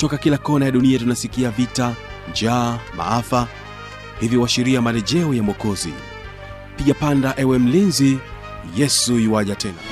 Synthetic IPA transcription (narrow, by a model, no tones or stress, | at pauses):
tɔkakilakɔnajaɗuniatunasikiavita | d͡ʒaːma̰afa | hivjiwaʃiɾiamalɛʄɛɔjamɔkɔzḭ | piʄapandaʔɛwɛm̩linzi | jɛsuiwaʄatʰɛna̰